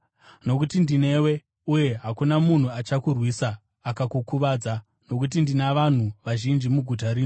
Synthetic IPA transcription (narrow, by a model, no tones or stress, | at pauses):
no̞kutindine̞we̞ | uje̞ɦakunamun̤uat͡ʃakurwiːsaː | kakukuʋaːd͡za | no̞k̬ut̬indinaʋan̤uʋaʒind͡ʒimuɡʱut̬aɾiːno